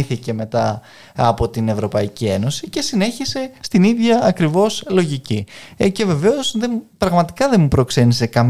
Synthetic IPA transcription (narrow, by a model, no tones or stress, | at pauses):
θice̞me̞t̪ɐ | ɐpo̞t̪ine̞vɾo̞pɐicie̞no̞sice̞sine̞çise̞st̪iniðʝɐːkɾivo̞slo̞ʝicice̞ve̞ve̞o̞sðempɾɐɣmɐt̪i̥kɐðe̞mupɾo̞kse̞nise̞kɐm